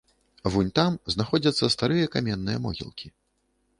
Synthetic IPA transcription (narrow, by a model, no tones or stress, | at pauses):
vunʲt̪amznaxɔd͡zʲɐt̪sːɐst̪aɾɨjɐkamʲɛnːɨjɐmɔ̰ɣʲḭlˠkʲi